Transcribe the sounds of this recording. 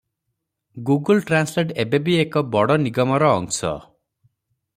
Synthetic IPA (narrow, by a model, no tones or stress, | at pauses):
ɡuɡɔlʈɾansleʈebebiekɔbɔɽɔniɡɔmɔɾɔ̰ːŋsɔ̰